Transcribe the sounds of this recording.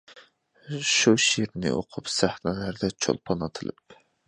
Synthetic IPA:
ʃuʃiɾnɪ̰ʔo̰qʰʊpsæhnɛlæɾd̪ɛt͡ʃʰo̰lˠpʰɑnɑt̪ʰɨlˠɨ̰p̚

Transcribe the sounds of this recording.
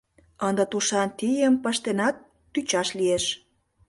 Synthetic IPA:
ənd̪ə̆t̪uʃɑnt̪ijəmpəʃt̪enɑt̪̚ː | yt͡ɕɑʃlieʃ

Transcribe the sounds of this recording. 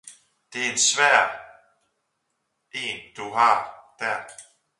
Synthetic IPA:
d̥e̝æɐe̝nsʋæɐ̰ | e̝̰ːnd̥uɦɑ̈d̥æɐ

